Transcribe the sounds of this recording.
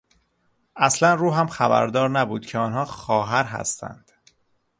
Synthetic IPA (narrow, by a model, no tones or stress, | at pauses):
ʔæslænruːɦæmxæbæ̰ɾd̪ɒːɾnæbuːd̪̥cʰeɒːnhɒːxɒːɦæɾɦæ̰st̪ʰæ̰nd̪̥